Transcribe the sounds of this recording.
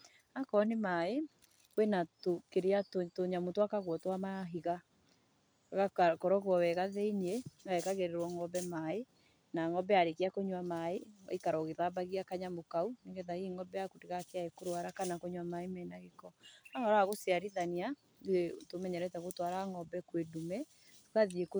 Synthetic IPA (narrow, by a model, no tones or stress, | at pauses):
akɔnemae | wenatokeɾeatotoɲamotwakaɣwɔtwamaɦiɣa | ɣakkɔɾɔɣwɔwɛɣaðeiɲeaɛkaɣeɾeɾwɔŋɔbɛmae | naŋɔbɛaɾekeakoɲwamaḛikaɾɔɣeðabaɣiakaɲamokauneɣɛðaiŋɔbɛakodeɣakeaekoɾowaɾakanakoɲwamaemɛːnaɣekɔahɔɾaaɣosiaɾiðania | tomɛɲɛɾɛtaɣotwaɾaŋɔbɛkwedumɛ | kaðieko